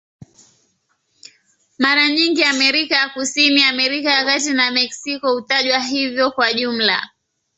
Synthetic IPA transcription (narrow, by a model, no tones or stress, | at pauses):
maɾaɲiŋɡiamɛɾikajakusiniamɛɾikawakatinamɛksikɔhutaʄwaɦivjɔkwaʄum̩la̰